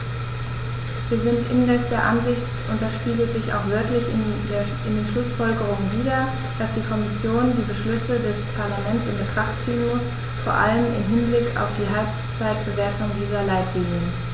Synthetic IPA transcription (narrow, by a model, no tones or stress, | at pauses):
viːɐzɪntʔɪnnɛsd̥eːɐʔanzɪçt | ʔʊntdɛsʃpiːɡətz̥ɪça̰ʊxv̥œɐtlɪçɪn | e | ɪndeːnʃlʊsfɔlɡəʁ̞ʊŋənviːdɐ | d̥asd̥iːkʰɔmɪsjoːndiːbəʃlʏsədɛspʰaɐlamɛntsɪnbətʁ̥aχtt͡siːənmʊs | foːɐʔa̰ləmɪ̰mɦɪnblɪkʰa̰ʊfd̥iːɦalp | t͡saɪt̚b̥əvɛɐtʊŋdiːzɐlaɪtʰv̥iːŋən